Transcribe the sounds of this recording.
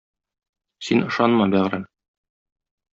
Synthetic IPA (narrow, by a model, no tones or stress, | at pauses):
sinɤ̆ʃɑnmɑbæʁɾæn